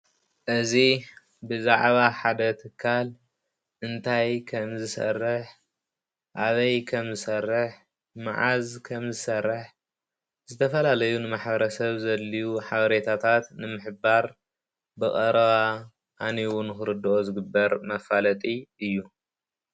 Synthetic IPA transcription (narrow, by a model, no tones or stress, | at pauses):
ʔɨzi | bɨzaʕβaħad̪ɐt̪ʰɨkʰːal | ʔɨnt̪ʰajkʰɐmzɨsɐ̰rːɨħ | ʔaβɐjkʰɐmzɨsɐrːɨħ | mɨ̰ʕa̰zkʰɐmzɨsɐrːɨħ | zɨt̪ʰɐfɐlalɐjunɨmaħbɐɾɐsɐβzɐlːiwuħaβɐɾet̪ʰat̪ʰat̪nɨmɨħɨbaɾ | bɨkʼɐɾɐβa | ʔaniwʊnɨxɨɾɨd̪ɨʔozɨɡɨbːɐɾmɐfalɐt̪ʼiʔɨjːu